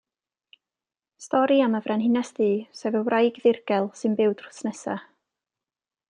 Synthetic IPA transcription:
stɔɾiaməvrɛnhɪnɛsdiːsɛvəwrajɡðɪrɡɛlˠsɨnbɪwd̥r̥ʊ̥snɛsa̰

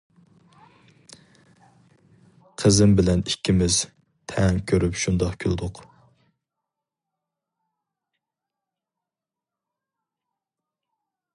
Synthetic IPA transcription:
qʰəzɪmbɪlɛnikʲʰːimɪz | t̪ʰɛŋkʲʰøɾypʃund̪ɑqkʲʰylˠd̪ʊq

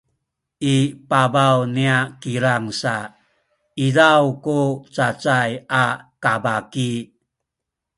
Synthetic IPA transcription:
ʔipabawniakiɾaŋsa | izawkut͡sat͡sajakabaki

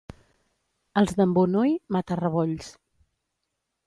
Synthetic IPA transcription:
əlˠzðəmbunujmat̪ərəβɔʎs

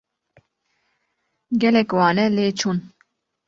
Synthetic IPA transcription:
ɡɛlɛkwɑːnɛleːt͡ʃʰuːn

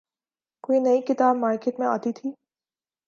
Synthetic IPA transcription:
koːinɐikɪt̪aːbmaːɾkeːʈmẽa̰ːt̪it̪ʰiː

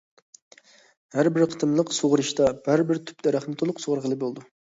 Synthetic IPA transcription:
hæɾbɪɾqʰə̥t̪ʰɨmlˠəqsoʁɾɨʃt̪ɑb̥æɾbɪɾt̪ʰy̥pd̪ɛɾæχnɪt̪ʰolˠʊqsoʁɾʁəlˠɨbolˠd̪u

